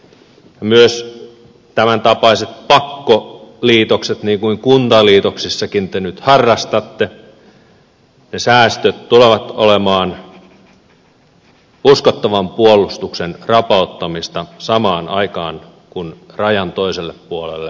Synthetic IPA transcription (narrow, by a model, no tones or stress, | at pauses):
jɑmyøs | t̪æmænt̪ɑpɑiset̪̚pɑkːoliːt̪okset̪niːŋkuiŋkunt̪ɑliːt̪oksisːɑkint̪enyt̪hɑrːɑst̪ɑt̪ːe | nesæːst̪øt̪t̪uleʋɑt̪o̰lemɑːn | uskot̪ːɑʋɑmpuolˑust̪uksenrɑpɑˑut̪ːɑmist̪ɑsɑmɑːnɑ̰ikɑːn | kunrɑjɑnt̪oiselːeppuolḛlːe